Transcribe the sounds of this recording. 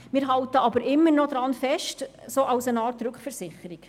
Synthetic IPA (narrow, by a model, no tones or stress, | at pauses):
mɪːɾɦɑltəɑbəɾɪmːəɾnɔd̪ɾɑnfɛʃtsoːʔɑwsənɑːɾtɾʉkχfəɾsɪχəɾik